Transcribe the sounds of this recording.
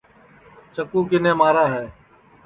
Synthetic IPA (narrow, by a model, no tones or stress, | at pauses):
t͡ʃəkuːkɪnẽːmaːɾaːɦɛː